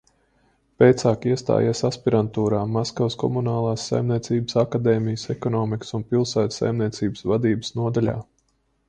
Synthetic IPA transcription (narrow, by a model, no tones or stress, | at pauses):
peːt̪saːkiɛst̪a̰ːjasaspiɾant̪uːɾaːmaskawskɔ̰munaːlˠaːsːa̰jmnʲiɛt̪siːbə̥sakad̪ɛːmijəsɛkɔnɔːmiksunpilˠsæːt̪sa̰jmniɛt̪siːbəsvad̪iːbə̥snuɔd̪alʲa̰ː